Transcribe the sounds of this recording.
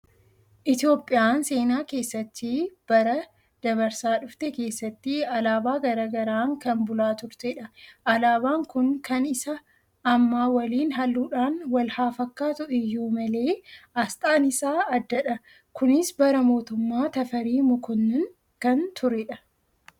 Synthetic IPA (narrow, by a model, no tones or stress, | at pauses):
ʔɪt̪ɪjo̞ːpʼːɪjaːnse̞ːnaːke̞ːsːɐt̪ːɪb̥ɐɾɐ | d̪̥ɐβɐɾsaːᶑʊft̪ɛke̞ːsːɐt̪ːɪɐlaːbaːɡɐɾaɡɐɾaːŋkɐnbʊlaːt̪ʊɾt̪ɛᶑɐʔɐlaːbaːŋkʊŋkɐnɪsɐː | mːaːwɐliːnɦɐlːuːᶑaːnwɐlhaːfɐkːaːt̪ʊʔɪjuːmɐle̞ːɐst̪ʼaːnɪsaːɐd̪ːɐᶑɐ | kʊnɪsbɐɾɐmo̞ːt̪ʊmːaːt̪ɐfɐɾiːmʊkʊnːɪn | kɐnt̪ʰʊɾɛᶑɐ